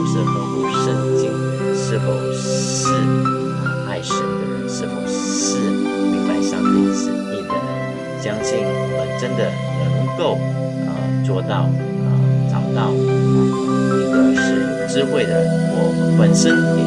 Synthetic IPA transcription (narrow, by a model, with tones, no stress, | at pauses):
ʂɻ̩˥˩fo˧˥u˥˧ʂə˥˩nt͡ɕi˥˩ŋ | ʂɻ̩˥˩fo˨˩ʊ˥ | ʂɻ̩˥˩˧ | a˥˧ɪʂə˨˩n˧˩˧ʂɻ̩˥˩fo˧˩ʊʂ̩˥˧sɹ̩˥ə˧˩ka˥˧ɪɕjɑ̰˥˧ŋi˥˩sə˥˩i˥˩d̪ə˨˩ | t͡ɕjɑ˥ŋt͡ɕʰi˥˩ŋə˨˩ʈ͡ʂə˥nd̪ə˨ | nə˧˦ŋko˥˩ʊ | ə̰˨˧t͡swɔ˥˧t̪ɑ˥˩ʊ | ə̰˧t͡sɑ̰˨˩ʊt̪ɑ˥˩ʊ˨˩˨ | t̪o˥˧ʂɻ̩˥˩ | ʈ͡ʂɻ̩˥xwe˥˩ɪd̪ə˩ɔ˥˩wə˧˥nʂə˥n